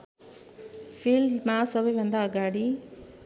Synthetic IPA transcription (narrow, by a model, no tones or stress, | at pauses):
fʰiːlmãsəbʱiʋɐ̃nd̪aːɡaːɽi